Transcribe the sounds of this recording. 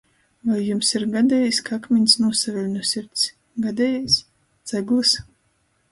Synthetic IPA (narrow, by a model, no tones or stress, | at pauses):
vajːumsiɾɡad̪ʲɛjiskaakmʲiɲʲsnuɔsavʲɛlʲnusʲiɾt̪s | ɡad̪ʲɛjajs | t̪z̥ɛɡlˠɨs